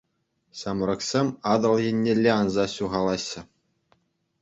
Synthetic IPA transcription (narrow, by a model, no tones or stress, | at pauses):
ɕɑmɾɤ̆ksʲemʲɑd̪ɤ̆lˠjĕnʲːelʲːeɑnzɑɕuʁɑlˠɑɕːɘ̆